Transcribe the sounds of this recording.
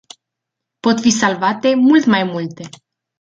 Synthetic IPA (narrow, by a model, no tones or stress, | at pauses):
po̞t̪fisalvat̪e̞mult̪majmult̪e̞